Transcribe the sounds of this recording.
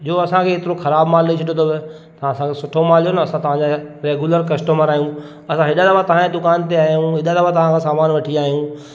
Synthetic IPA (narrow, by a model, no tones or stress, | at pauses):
d͡ʑoːɐsãkʰeːt̪ɪɾoxɐɾaːbmaːllet͡ɕʰɐɗot̪ʰobɪ | t̪ɐãɐsãkʰesʊʈʰomaːlijonɐɐsãt̪ɐʋ̤ãd͡ʑaɾeːɡuləɾkɐsʈəməɾaːijũ | ɐsãɦɪɗalɐʋãt̪ɐʋ̤ãed̪ʊkaːnt̪eaːɦijũɦɪɗalɐʋãt̪ɐʋ̤ãkʰãsaːmaːnʋɐʈʰiaːɦijũ